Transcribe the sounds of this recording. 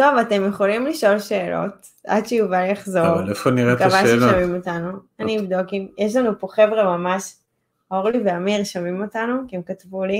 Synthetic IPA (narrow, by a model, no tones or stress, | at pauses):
to̞vate̞mjeχo̞limliʃo̞lʃe̞ːlo̰t | a̰dʃejuvaljaχzoʁefoniʁekavalaamimotanuanniːvd̪okimjeʃlanupo̞χe̞vʁemamaʃ | oʁliveamiʁʃamimotanukeemkatvuli